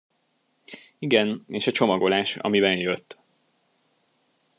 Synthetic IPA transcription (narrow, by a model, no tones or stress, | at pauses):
iɡɛneːʃɒt͡ʃo̞mɒɡo̞laːʃɒ̰mibɛnjøt̪ː